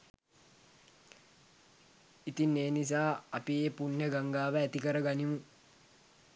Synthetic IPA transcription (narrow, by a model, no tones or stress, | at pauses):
it̪inːeːnis̬aːapieːpunjəɡaŋɡaːʋəæt̪ikəɾəɡanimu